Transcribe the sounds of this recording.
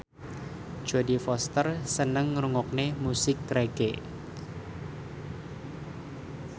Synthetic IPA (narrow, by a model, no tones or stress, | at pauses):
ʒ̥o̤difɔst̪ərsənəŋɾuŋɔk̚nemusɪkːɾeɡ̥e